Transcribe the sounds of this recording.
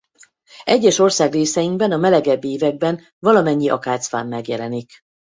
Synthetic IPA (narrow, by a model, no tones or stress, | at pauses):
ɛɟːɛʃo̞rsaːɡreːsɛjiŋɡ̚bɛnɒmɛlɛɡɛbːeːvɛɡ̚bɛn | vɒlɒmɛɲːiʔɒ̰kaːt̪sfa̰ːmːɛɡjɛlɛnik